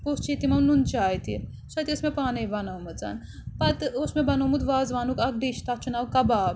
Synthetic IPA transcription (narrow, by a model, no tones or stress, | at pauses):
post͡ʃʰit̪imɐmnunt͡ʃaːjt̪ḭ | ʃɐt̪iosmepaːnebɐnaːwmɐt͡sa̰ːn | pɐt̪osmebɐnomut̪ʋaːzʋaːnukɐk̚ɖiʃt̪at͡ʃʰunawkɐbaːb